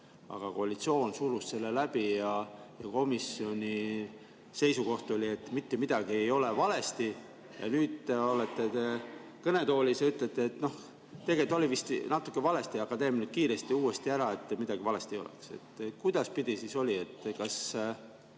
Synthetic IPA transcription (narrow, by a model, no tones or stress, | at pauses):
ɑ̰ɡ̥ɑko̞ɑlʲit̪sio̞ːnsuɾusse̞lːelæb̥ijɑjɑko̞misio̞nʲi | se̞jsuko̞ht̪o̞lʲie̞t̪ːˑmit̪ːemid̪̥ɑɡ̥ie̞jo̞le̞vɑle̞st̪i | jɑ̰nyːd̪o̞let̪ːˑet̪e̞ | kɤne̞t̪o̞ːlʲiseyt̪ˑlet̪ːˑeet̪no̞h | t̪e̞ɡe̞t̪ːˑo̞lʲivist̪nɑt̪ːˑukːˑevɑle̞st̪iɑkɑt̪e̞minut̪̚kiːɾe̞st̪iuːest̪iæɾɑe̞t̪ːˑmid̪ɑɡ̥ivɑle̞st̪iejo̞̰lḛkse̞̰t̪ːkujd̪̥ɑspid̪̥isiso̞lʲie̞t̪ːkɑs